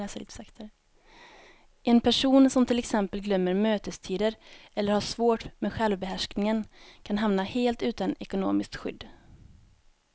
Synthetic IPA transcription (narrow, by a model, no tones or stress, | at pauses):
ɛskt̪ | ʔɛnpʰæʂuːnsɔmt̪ʰɪlɛksɛmpəlɡlœmːəɾmøːt̪əst̪ʰiːd̪əɾʔɛlːəɾhaʂvoːʈmeːd̪ɧɛlvbɛɦæʂknɪŋənkʰanɦamnaheːlt̪ʉ̟ːt̪anɛkʊno̰ːmɪskt̪ɧʏ̰d̪ː